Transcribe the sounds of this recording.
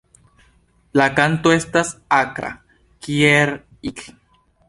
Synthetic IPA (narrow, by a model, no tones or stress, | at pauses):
lakant̪oest̪asakɾa̰ | kieɾ | it͡ɬ